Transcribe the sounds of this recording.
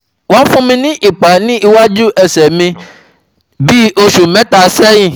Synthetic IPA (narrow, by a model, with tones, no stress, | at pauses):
wã˨˦n̩˦fũ˦mĩ˧nĩ˦ʔi˨k͡pa˨nĩ˦ʔi˧wa˦d͡ʒu˦ʔɛ˦sɛ˨mĩ˧ | bi˦o˦˧ʃu˨mɛ̃˨˦ta˧˨sɛ˦jĩ˦˨